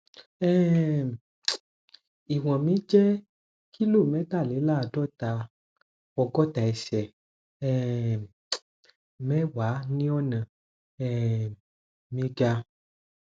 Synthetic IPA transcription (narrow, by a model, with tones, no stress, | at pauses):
ɛ˦ | i˨w̃ɔ̃˨mĩ˨˦d͡ʒɛ˦ | ki˦lo˦˨mɛ̃˨˦t̪a˦˨le˨˦la˦˨dɔ˦t̪a˨ | wɔ˨ɡɔ˦t̪a˨ɛ˨sɛ˨ | ɛ˦ | mɛ̃˦wa˨˦nĩ˦ɔ˦nã˨ | ɛ˦˨ | mĩ˨˦ɡa˧